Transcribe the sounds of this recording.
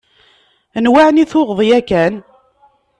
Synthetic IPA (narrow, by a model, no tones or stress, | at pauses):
nwaʕniθʊʁðˤjækæn